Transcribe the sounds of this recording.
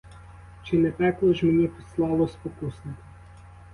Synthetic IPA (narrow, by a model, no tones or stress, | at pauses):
t͡ʃɪnɛpɛklˠɔʒmenʲipislˠɑlˠɔspɔkusnɪk